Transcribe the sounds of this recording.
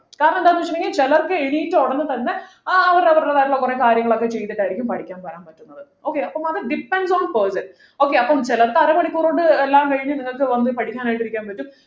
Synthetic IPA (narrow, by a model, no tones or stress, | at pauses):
kaːɾɐnɐmɳɖ̪aːnːuʋɐt͡ɕːɐminit͡ɕelɐrkɨeɳiːtːɨoɽɐnːɨt̪ɐnːe̞ | ɐʋɐɾɐʋɐɾlɐðaːjɾuɭːɐkurekaːɾjɐŋːɐɭokːe̞t͡ɕe̞jt̪ːiʈːaːjiɾikʲːumpɐʈʰikʲːaːnpɐɾaːnpɐtːunːɐðɨ | o̞ːkːeɐpːɐmɐðɨɖipːenɖsoːnpɐːsɐn | o̞ːkːeɐpːɐmt͡ɕelɐrkɨɐrɐpɐɽikʲːuːroːɖɨelːaːmkɐɻiɲːɨniŋːɐɭkɨʋɐnːɨpɐʈʰikʲːaːnaːjiʈːiɾikʲːaːnpɐtːum